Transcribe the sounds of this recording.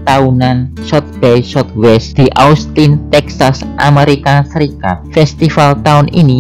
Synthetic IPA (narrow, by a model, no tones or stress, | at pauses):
t̪aunansɔt̪̚b̥ɛjsɔt̪̚wɛsd̪̥i̤ʔaust̪int̪ɛksasʔameɾikasəɾikafɛst̪ifalt̪aʊnḭni